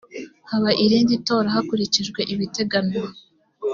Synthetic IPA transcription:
haβaʔiɾiːndito̞ːɾahakuɾiciʒɡwe̞ʔiβite̞ɡano

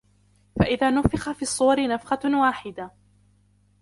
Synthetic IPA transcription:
faʔɪðaːnʊfɪxafiːsˤːʊwɑɾɪnafqɑwaːħɪd̪a

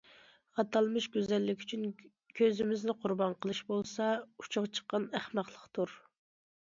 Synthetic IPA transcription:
χɑt̪ɑlˠmɨʃɡʲøzɛlːɪkʲy̥t͡ʃʰyn | kʲʰøzɪmɪznɪqʰʊɾbɑnqʰəlˠɨʃbolˠsɑu̥t͡ʃʰʊʁt͡ʃʰə̥qːɑnæχmæχlˠəqt̪ʰuɾ

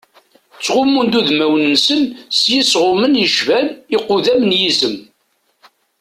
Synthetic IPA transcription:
t͡sːʁʊmːund̪uðmæwnənsənsjisʁʊmənjəʃvænɪqʊðæmənjizəm

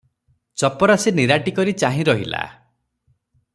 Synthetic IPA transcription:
t͡ʃɔpɔɾasiniɾaʈikɔɾit͡ʃaɦĩɾɔɦila̰

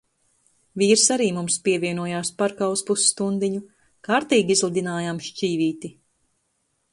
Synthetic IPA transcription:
viːɾsaɾiːmumspʲiɛvʲiɛnuɔjaːspaɾkaːuspusːt̪und̪iɲu | kaːɾt̪iːɡʲiizlˠud̪ʲinaːjamʃt͡ʃʲiːviːt̪i

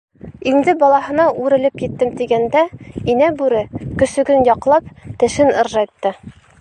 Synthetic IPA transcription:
ind̪ɘbɒlˠɑɦɤ̆nɑʉɾɘ̆lɘpjɘ̆t̪ːɘmt̪iɡænd̪æinæbʉɾɘkɵ̆sɵ̆ɡɘnjɒqlˠɑp̚t̪ɘ̆ʃɘnɤ̆ɾʒɑjt̪ːɤ

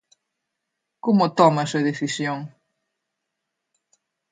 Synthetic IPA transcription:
komot̪ɔmɐseðeθisjoŋ

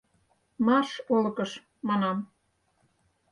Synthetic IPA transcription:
mɑrʃolɤ̆kəʃ | mɑnɑm

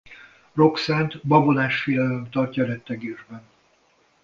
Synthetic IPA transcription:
ro̞ksaːnt̪bɒbonaːʃfijɛlømt̪ɒrcɒɾɛt̪ːɛɡeːʒbɛn

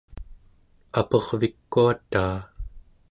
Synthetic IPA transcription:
apʌʁvikːuat̪aː

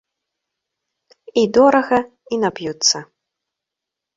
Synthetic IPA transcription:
id̪ɔɾɐɣɐ | inapjut̪sːɐ

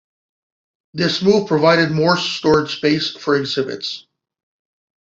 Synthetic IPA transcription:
ðɪsmuv̥pʰɹ̥əvaɪɾɨd̚mɔɹstɔɹdspeɪsfə˞ɨɡzɪbɨ̰ts

